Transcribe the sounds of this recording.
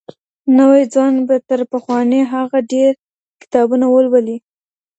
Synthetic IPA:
nəwajd͡zɑnbat̪əɾpaxwɑneɦaɣaɖeɾ | kɪ̥t̪ɑbunawəlwali

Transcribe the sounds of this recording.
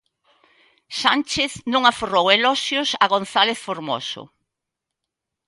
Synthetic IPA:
sant͡ʃeθnõŋaforoweloʃjosaɣonθaleθfoɾmo̰sʊ̰

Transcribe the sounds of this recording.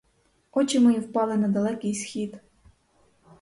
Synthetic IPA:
ɔt͡ʃɪmɔjiwpɑlˠɪnɐd̪ɐlˠɛkɪjsxʲid̪

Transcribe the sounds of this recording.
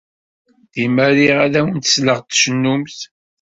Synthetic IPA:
ðiməɾiʁaðæwənt̪ə̥sləʁt̪ʃənːumθ

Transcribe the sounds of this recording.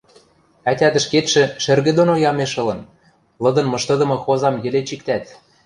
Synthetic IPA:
æt̪ʲæd̪ə̆ʃket̪ʃɘ̆ʃɘ̆rɣɘ̆d̪onojɑmeʃɤ̆lɤ̆n | lɤ̆d̪ɤ̆nmɤ̆ʃt̪ɤ̆d̪ɤ̆mɤ̆xozɑmjɘ̆let͡ɕik̚t̪æt̪

